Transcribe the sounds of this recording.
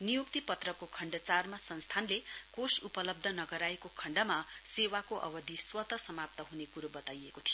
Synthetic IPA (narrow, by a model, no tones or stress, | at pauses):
nijukt̪ipʌt̪rʌkokʰʌɳɖʌt͡sarmasʌnst̪ʰanlekosupʌlʌb̚d̪ʱʌnʌɡʌɾaekokʰʌɳɖʌmasewakoʔʌ̰bʌd̪ʱiswʌt̪ʌsʌmap̚t̪ʌɦunekuɾobʌt̪ajekot̪ʰijo